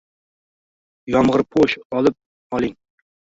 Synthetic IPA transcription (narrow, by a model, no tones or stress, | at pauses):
jɑmʁəɾpʰoʃɑlˠɨp̚ | ɑlˠɪŋ